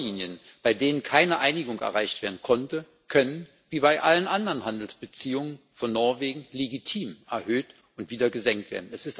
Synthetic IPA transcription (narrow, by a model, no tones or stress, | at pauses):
iːnjən | b̥aɪdeːnənkʰaɪnəʔaɪnɪɡʊŋʔɛ̰ɐʁaɪçtv̥eːɐdn̩kʰɔntə | kʰœnən | viːbaɪʔalənʔandəʁənhandl̩sb̥ət͡siːʊŋən | fɔnːɔɐveːɡŋ̩leɡitʰiːmʔɛɐhøːt | ʊntv̥iːdɐɡəzɛŋk̚tv̥ḛːɐdn̩ɛsɪst